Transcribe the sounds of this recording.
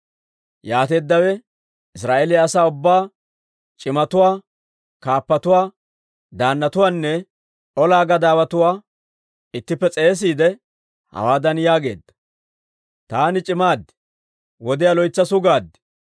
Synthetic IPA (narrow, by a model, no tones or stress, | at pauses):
jaːt̪e̞ːd̪ːɐwɛ | ɪsɾaːʔelɪjaːsaːʊbːaː | t͡ʃʼɪmɐt̪ʊwaː | kaːpːɐt̪ʊwaː | d̪aːnːɐt̪ʊwaːnːɛ | ʔɔlaːɡɐd̪aːbɐt̪ʊwaː | ɪt̪ːɪpːɛt͡sʼe̞ːs̬iːd̪ɛ | hɐ̰waːd̪ɐnjaːɡe̞ːd̪ːɐ̥ | t̪aːnɪt͡ʃʼɪmaːd̪ɛ̥ | wɔd̪ɪjalɔjt͡sːɐsʊɡaːd̪ːɛ̥